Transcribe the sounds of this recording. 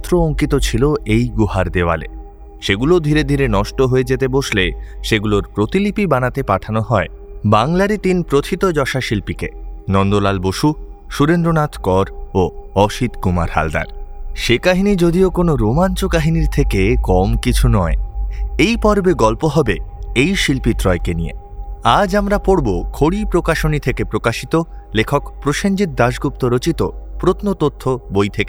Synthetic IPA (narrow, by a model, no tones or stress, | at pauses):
t̪ːɾooŋkit̪ot͡ɕʰiloejɡuɦaɾd̪eoa̰lḛ | ʃeɡulod̪ʱiɾed̪ʱiɾenɔʃʈoɦoed͡ʑet̪eboʃleʃeɡuloɾpɾot̪ilipibanat̪epaʈʰanoɦɔebaŋlaɾit̪inpɾot̪ʰit̪od͡ʑɔʃaʃilpikenɔnd̪olalboʃu | ʃuɾend̪ɾonat̪ʰkɔɾoɔʃit̪kuma̰ɾha̰ld̪a̰ɾʃekaɦinid͡ʑod̪iokonoɾomant͡ɕokaɦiniɾt̪ʰekekɔmkit͡ɕʰunɔeejpɔɾbeɡɔlpoɦɔbeejʃilpit̪ɾɔekeniḛ | ad͡ʑamɾapoɽbokʰoɽipɾokaʃonit̪ʰekepɾokaʃit̪o | lekʰokpɾoʃeɲd͡ʑit̪̚d̪aʃɡupt̪oɾot͡ɕit̪opɾot̪not̪ot̪ʰːobojt̪ʰeke